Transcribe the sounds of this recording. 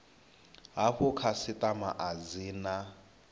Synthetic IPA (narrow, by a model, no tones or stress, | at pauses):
ɦaɸʊkʰasɪtʼamaʔad͡ziːna